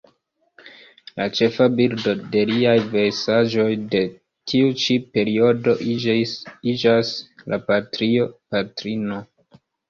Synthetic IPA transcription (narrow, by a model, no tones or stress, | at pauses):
lat͡ʃe̞fabildo̞de̞liajvesaʒo̞jde̞ | tʰiut͡ʃipe̞ɾio̞do̞ | id͡ʒaslapatɾio̞patɾino̞